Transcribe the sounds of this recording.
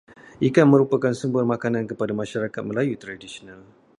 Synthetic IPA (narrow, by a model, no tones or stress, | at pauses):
ʔikanmə̃ɾupakansəmbuarmãkanãnkəpadamãʃaɾakat̪̚məlajut̪ɾadisional